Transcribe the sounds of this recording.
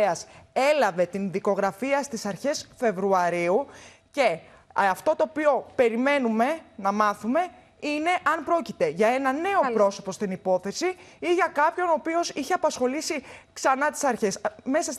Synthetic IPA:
ɐse̞lɐve̞t̪inðiko̞ɣɾɐfiɐst̪isɐɾçe̞sfe̞vɾuɐɾiu | ce̞ | ɐft̪o̞t̪o̞ːpio̞pe̞ɾime̞nume̞nɐmɐθume̞ | ine̞ʔɐnpɾo̞cit̪e̞ʝɐe̞nɐne̞o̞pɾo̞so̞post̪inipo̞θe̞siiʝɐkɐpço̞nopio̞siçe̞ɐpɐsxo̞lisiksɐnɐt̪i̥sɐɾçe̞sme̞sɐs

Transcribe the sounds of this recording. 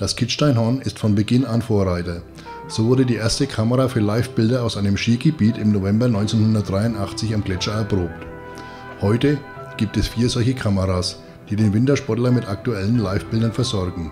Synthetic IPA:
d̥askʰɪtʃtaɪnɦɔnɪstfɔnbəɡɪnanfoːɐʁaɪtɐ | z̥oːvʊɐdədiːʔeːɐstəkʰaməʁaːfyːɐlaɪfb̥ɪldɐaʊsʔaɪnəmʃiːɡəbiːtɪmnovɛmbɐnɔʏnt͡senhʊndɐt̚d̥ʁaɪʊntʔaχt͡sɪçamɡlɛt͡ʃɐɛɐpʁ̥oːp̚t | hɔʏtə | ɡ̥iːp̚tɛsfiːɐzɔlçəkʰaməʁaːs | d̥iːdeːnvɪntɐʃpɔɐtlɐmɪtʔak̚tuɛlənlaɪfb̥ɪldɐnfɛɐzɔɐɡŋ̩

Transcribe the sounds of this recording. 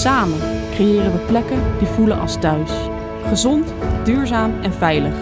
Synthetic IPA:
saːmənkrejɪːrənʋəplɛkəndivulənʔɑ̰lˠstœɥs | χəzɔntd̥yːɹzaːmɛnvɛjləχ

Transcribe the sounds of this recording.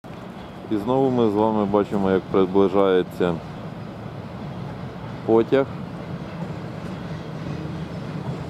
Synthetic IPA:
iznɔʋʊmɪzʋɑmɪbɑt͡ʃɪmɔjɐk̚pɾed̪blˠɪʒɑjet͡sʲːɐ | pɔtʲɐx

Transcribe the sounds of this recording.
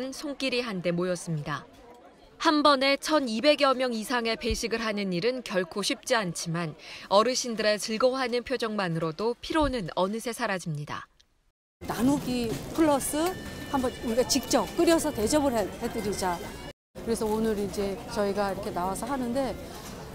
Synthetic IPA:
nsʰoŋk͈iɾiɦande̞mojʌs͈ɯmɲida | hambʌne̞t͡ɕʰʌnibe̞ɡjʌmjʌŋisʰaŋe̞pe̞ɕʰiɡɯɭɦanɯniɾɯnkjʌɭkʰoɕʰip̚t͡ɕ͈iant͡ɕʰimanʌɾɯɕʰindɯɾe̞t͡ɕɯɭɡʌɦanɯnpʰjod͡ʑʌŋmanɯɾodopʰiɾonɯnʌnɯsʰe̞sʰaɾad͡ʑimɲida̰ | nanuɡipʰɯɭːʌs͈ɯhambʌnuɡet͡ɕik̚t͡ɕ͈ʌp̚k͈ɯɾjʌsʰʌte̞d͡ʑʌbɯɭɦehed͈ɯɾid͡ʑa | kɯɾe̞sʰʌonɯɾind͡ʑe̞t͡ɕʌiɡaiɾʌkʰe̞nawasʰʌɦanɯnde̞

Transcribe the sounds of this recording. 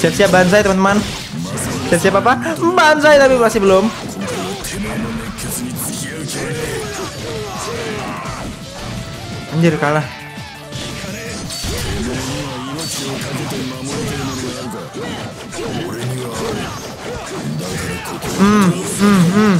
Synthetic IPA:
siap̚siabans̬ajt̪əmant̪əman | siap̚siapapabansajt̪apiasibəlom | aɲd͡ʒʊrkala | m̩m̩m̩m

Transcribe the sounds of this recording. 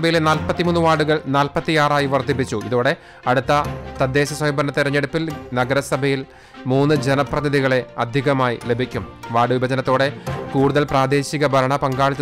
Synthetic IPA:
bɐjilenaːlpɐt̪ːimuːnːɨʋaːɽuɣɐɭnaːlpɐt̪ːijaːraːjiʋɐrd̪ipːit͡ɕːuiðoːɽe̞ | ɐɽut̪ːɐt̪ɐd̪ːe̞ːɕɐsɐmibɐnːɐt̪ːirɐɲːeɽupːilnɐɡɐɾɐsɐbʱɐjil | muːnːɨd͡ʑenɐprɐðɐðiɣɐɭe̞ɐd̪ʱiɣɐmaːjḭle̞bʱikʲːumʋaːɽɨʋibʱɐd͡ʑɐnɐt̪ːo̞ːɽe̞kuːɽuðɐlpraːd̪e̞ːɕiɣɐbʱɐɾɐɳɐpɐŋɡaːɭit͡ɕː

